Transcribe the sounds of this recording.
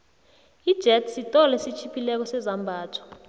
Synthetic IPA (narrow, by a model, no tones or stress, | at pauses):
id̥ʒ̥ʱɛtʰsitʼɔlɛsit͡ʃʰipʰʼilɛk̬ɔsɛzambʱaːtʰḁ